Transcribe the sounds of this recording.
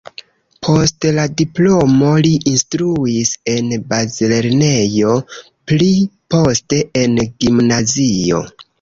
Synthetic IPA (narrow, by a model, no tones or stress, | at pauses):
pʰo̞stladiplo̞mo̞liʔinstɾuise̞nbazile̞ɾne̞jo̞ | plipo̞ste̞ʔenɡimnazio̞̰